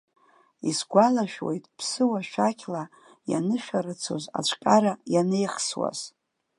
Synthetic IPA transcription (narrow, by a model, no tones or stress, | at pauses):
isɡʷalaʃᶣwḛjtʼpʰsɨwaʃᶣakʲʰla | ja̰nɨʃᶣaɾɨt͡sʰo̞̰za̰t͡ʃʷʰʼkʲʼaɾajanejχswa̰z̥